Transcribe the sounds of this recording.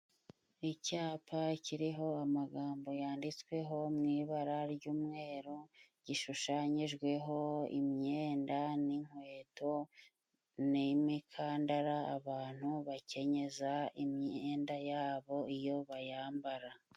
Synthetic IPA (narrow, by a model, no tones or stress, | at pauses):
icaːpʰaciɾiɦo̞amaɡaːmbo̞jaːndit͡skwe̞ɦo̞mŋiːβaɾaɾɟuːmŋeːɾoɟiʃuʃaːɲiʒɡwe̞ɦo̞ḭmɲeːndaniŋ̥we̞ːto̞ | nimikʰaːndaɾaaβaːn̥huβace̞ɲe̞zaimɲeeːndajaːβo̞ijo̞βajaːmbaɾa